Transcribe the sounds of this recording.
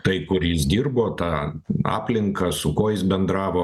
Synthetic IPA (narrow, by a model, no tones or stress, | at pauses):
t̪ɐɪkʊɾjɪsd̪ʲiːrboːt̪ɑɑ̰ːpʲlʲɪŋkɐsʊkoːjɪsbʲɛnd̪ɾɑːʋoː